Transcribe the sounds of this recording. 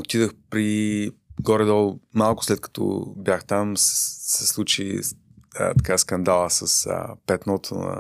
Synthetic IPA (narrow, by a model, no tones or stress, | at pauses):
ot̪id̪əxpɾiiɡɔɾɛd̪ɔlˠmalˠkʊ̥slɛt̪̚kɐ̥t̪ʰɔ̰bjaxt̪amssɛslˠut͡ʃḭ | ə̰t̪ɐ̥kaskɐnd̪alˠəsɐsə̰pɛt̪nɔt̪ʰo̰nɐ̰